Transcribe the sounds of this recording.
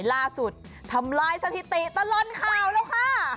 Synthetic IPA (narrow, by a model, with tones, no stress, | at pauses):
jlaː˧˥˩su˨˩t̪̚ʰːa˧˥mlaː˧˥jsa˧t̪ʰi˨˩t̪i˨˩t̪ɔ˧˩lɔ˧˥nkʰaː˧˩wlɛː˦˥wkʰa˧˥˩